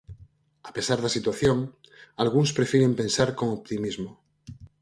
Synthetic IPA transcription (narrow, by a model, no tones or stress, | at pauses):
ape̞saɾðasit̪waθjo̞ŋ | alɣ̞unspɾe̞fjiɾempẽ̞nsaɾko̞ŋop̚t̪imizmo